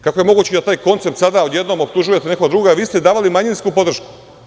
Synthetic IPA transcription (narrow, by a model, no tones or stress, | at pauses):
kako̞jemo̞ɡuːt͡ɕed̪at̪aːjko̞nt̪se̞p̚t̪sad̪aujed̪no̞mo̞p̚t̪uʒuje̞t̪ene̞koɡad̪ɾuɡaʋiːst̪ed̪aːʋalimaɲinskupo̞d̪r̩ʃku̥